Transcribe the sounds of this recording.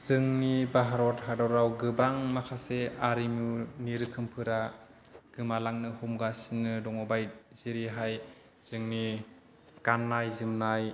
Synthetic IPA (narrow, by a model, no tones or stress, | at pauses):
z̥ɯŋnibaɦaɾɔthadawɾawɡɯbaŋmakʰaseaɾimuniɾɯkʰɯmpʰɯɾa | ɡ̥ɯmalaŋnɯhumɡasinɯdɔŋɔbajz̥iɾiɦaj | z̥ɯŋni | kanːajzɯmnaj